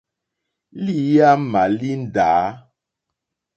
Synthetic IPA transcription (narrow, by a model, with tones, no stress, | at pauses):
li˦ja˦ma˨li˦n̩˦˨daː˨˦